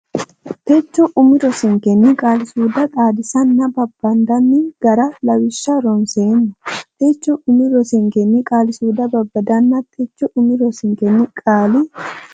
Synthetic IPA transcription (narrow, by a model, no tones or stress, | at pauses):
t̪ɛt͡ʃːɔʔʊmɪɾɔsɪŋkɛnːɪkʼaːlɪsuːd̪ɐt̪ʼaːd̪ɪsɐnːɐbɐbːɐnd̪ɐnːɪɡ̥ɐɾɐlɐwɪʃːɐɾɔnseːnːɐt̪et͡ʃːɔʔʊmɪɾɔsɪŋkɛnːɪkʼaːlɪsuːd̪ɐbɐbːɐd̪ɐnːɐt̪ʼɛt͡ʃːɔʔʊmɪɾɔsɪŋkɛnːɪkʼaːlɪ